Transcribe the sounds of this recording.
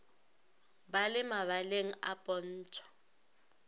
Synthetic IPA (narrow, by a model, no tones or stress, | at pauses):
balɪmaβaleŋ̩a̰pʼɔn̩ːt͡ʃʰɔ̥